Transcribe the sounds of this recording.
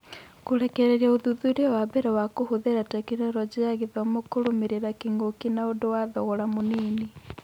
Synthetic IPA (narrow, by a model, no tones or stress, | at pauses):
koɾɛkɛɾɛɾiaoðuðuɾeɔwabɛɾɛwakohoðeɾatɛkinɛɾɔd͡ʑeaɣeðɔmokoɾomeɾeɾakiŋɡokinaodowaðɔɣɔɾamoniːni